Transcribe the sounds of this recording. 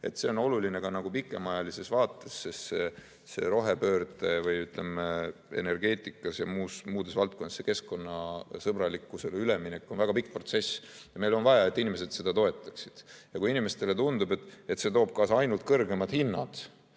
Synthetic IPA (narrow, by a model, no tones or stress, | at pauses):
e̞t̪se̞o̞no̞lulineɡ̥ɑnɑɡ̥upikːˑe̞mɑjɑlise̞svɑːt̪ːˑe̞sːesːe | se̞ɾo̞ɦe̞pø̞ːrd̪e̞vɤjyt̪ˑle̞mee̞̰ne̞rɡe̞ːt̪ʲˑikːˑɑsjɑmuːsmuːd̪̥esvɑlt̪̚ko̞nːeseke̞skko̞nːɑsɤbɾɑlikːˑuselyleminekːˑo̞nvæɡ̥ɑpik̚ˑːpro̞t̪se̞sjɑme̞jlo̞nvɑjɑe̞t̪ːˑinime̞se̞d̪̥se̞d̪ɑt̪o̞e̞t̪ːˑɑ̥ksid̪̥jɑkujinime̞st̪e̞le̞t̪und̪ube̞t̪ːˑe̞t̪se̞t̪o̞ːb̥̚kɑːsɑjnult̪̚kɤrɡe̞mɑd̪̥hinːɑ̰d̪̥